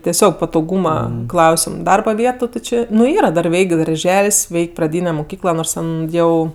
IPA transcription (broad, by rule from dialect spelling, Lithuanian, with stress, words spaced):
tʲɛˈsʲoːk pɐtoːˈɡuːmɐ ˈklˠɐʊsʲɪm ˈdɐrbɐ ˈʋʲiɛtʊ tʲɪ ˈt͡ʃʲeː nʊ ˈiːrɐ dɐr ˈʋʲɛɪkʲ dɐrʲˈʒʲɛlʲsʲ ˈʋʲɛɪkʲ prɐˈdʲiːnʲɛ mʊˈkʲiːklˠɐ ˈnoːrs ˈtʲɛn ˈjɛʊ